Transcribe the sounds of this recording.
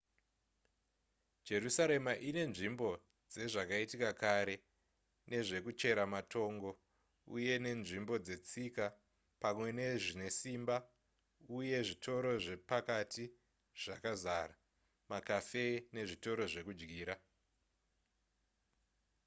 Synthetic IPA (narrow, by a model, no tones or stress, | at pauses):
d͡ʒe̞rusaɾe̞maʔine̞nʐimbo̞ | d͡ze̞ʐakaitikakaɾe̞ | ne̞ʐe̞kut͡ʃe̞ɾamatʰo̞ːŋɡo̞ | ṵje̞ne̞nʐimbo̞d͡ze̞t͡sika | pamwe̞ne̞ʐine̞simba | uje̞ʐitʰo̞ɾo̞ʐe̞pakati | ʐ̥akazara | makafe̞ne̞ʐito̞ɾo̞ʐe̞kud͡ʒɡiːɾa